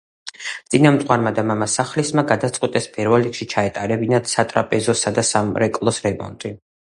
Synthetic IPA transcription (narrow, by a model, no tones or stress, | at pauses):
t̪sʼinamt̪ʼwaɾmad̪amamasaχlismaɡad̪at̪sʼqʼwit̪ʼɛspʰʼɛɾvɛlɾikʃit͡ʃʰaɛt̪ʼaɾɛbinat̪sat̪ʼɾapʼɛzɔsad̪asamɾɛkʼlˠɔsɾɛmɔ̰nt̪ʼi